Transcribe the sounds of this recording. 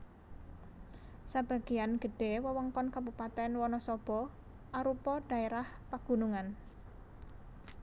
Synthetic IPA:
sab̥a̤ɡ̥ijanɡ̥ə̤ɖ̥e̤wəwɔŋkɔnkabupat̪ɛnwɔnɔsɔb̥ɔ | ʔaɾupɔɖ̥a̤eɾah | paɡ̥ṳnuŋan

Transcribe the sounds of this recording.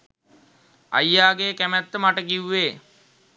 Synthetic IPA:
a̰jːaːɡeːkæmæt̪ːəmaʈəkiwːeː

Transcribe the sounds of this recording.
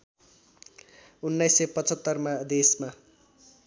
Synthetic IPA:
unːajsːepʌt͡sʰʌt̪ːʌrmad̪esma

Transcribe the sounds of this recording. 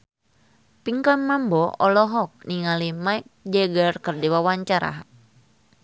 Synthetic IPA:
piŋkanmambɔʔɔlɔɦɔk̚niŋalimaik̚d͡ʒɛɡərkɨrdiwawaɲt͡ʃaɾa̰

